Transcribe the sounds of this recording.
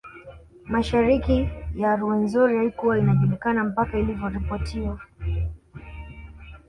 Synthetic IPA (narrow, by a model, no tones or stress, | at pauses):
maʃaɾikijaɾuɛnzuɾiaikuwainaʄulikanam̩pakailivjɔɾipɔtʰia